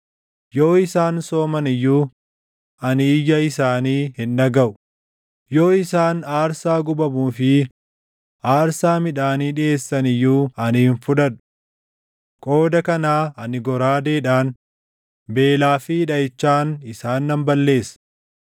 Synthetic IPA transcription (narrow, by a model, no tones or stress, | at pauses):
jo̞ːɪsaːnso̞ːmɐnɪjːuː | ɐniːjɐɪsaːniːhɪnᶑɐɡɐʔʊ | jo̞ːɪsaːnaːɾsaːɡʊbɐmuːfɪ | ʔaːɾsaːmɪᶑaːniːᶑɪʔe̞ːsːɐnɪjːuːɐnɪhɪnfʊᶑɐᶑʊ̥ | kʼo̞ːd̪ɐkɐnaːɐnɪɡɔɾaːd̪eːᶑaːn | be̞ːlaːfɪᶑɐɪt͡ʃːaːnɪsaːnːɐmbɐlːe̞ːs